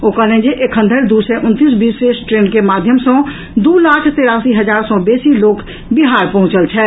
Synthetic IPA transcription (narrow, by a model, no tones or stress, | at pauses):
oːkəlẽd͡ʒeʔekʰɦə̃nd̪ʱəɾd̪usɛʔʊ̃nt̪is̬biːsesʈɾeːnkemaːd̪ʱjəmsɔ̃ | d̪uːlaːkʰt̪eɾaːsiɦəd͡ʒaːɾsɔbeːsiloːk | bɪɦaːɾpəɦʊ̃t͡ʃəlt͡ʃʰɛ